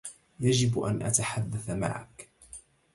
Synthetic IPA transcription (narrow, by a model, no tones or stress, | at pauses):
jad͡ʒɪbʔa̰nʔa̰t̪aħad̪ːaθama̰ʕa̰k